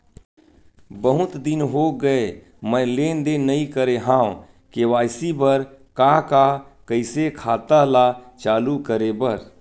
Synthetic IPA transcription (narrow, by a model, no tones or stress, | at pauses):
bəɦʊt̪d̪ɪnɦoɡəe | mə̃leːnd̪enəĩkəɾeɦãːõ | kewaːɪsibəɾkakakəɪsekʰaːt̪alat͡ʃaːlukəɾebəɾ